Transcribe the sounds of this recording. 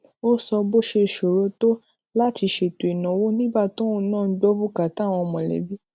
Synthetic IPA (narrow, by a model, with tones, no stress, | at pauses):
o˦sɔ˧bo˦ʃe˧˨ʃo˨ɾo˨˦to˦ | la˦ti˧ʃe˨to˨i˨nã˨wo˦nĩ˦ba˦˨to˦o˦nãː˦˨n̩˦ɡ͡bɔ˦bu˦ka˨˦ta˦˨w̃ɔ̃˧mɔ̃˨lɛ̰˨bi˨˦